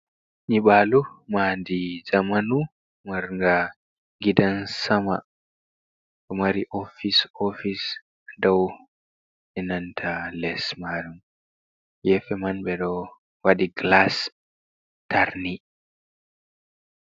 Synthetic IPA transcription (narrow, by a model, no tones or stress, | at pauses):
ɲiɓaːlumaːndid͡ʒamanu | maɾŋɡa | ɡidansama | ɗɔmaɾiʔofisofis | dɔw | ɛnantʰalɛsmaɾum | jɛfɛmanɓɛɗɔ | waɗiɡlas | taɾni